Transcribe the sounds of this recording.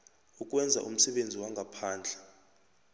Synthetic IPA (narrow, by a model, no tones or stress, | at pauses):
uk̬ʼwɛnd͡zʱa̰ʔum̩sɛɓend͡zʱiwaŋɡʱapʰaːnd͡ɮʱɛ̥